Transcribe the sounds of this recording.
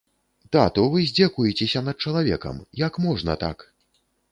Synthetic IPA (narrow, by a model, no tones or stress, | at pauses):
d̪̥at̪ɔvɨzʲd͡zʲakujɛt͡sʲesʲɐnɐd̪̚t͡ʂɐlˠavʲɛ̰kɐ̰mjɐkmɔʐnɐ̰t̪a̰k